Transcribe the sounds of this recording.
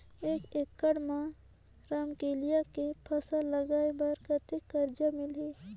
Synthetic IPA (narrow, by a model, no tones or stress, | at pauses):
eːkekːəɽmã | ɾaːmkeːlijakepʰɐsaləɡaːebaɾkət̪ɪkːəɾd͡ʒamɪleː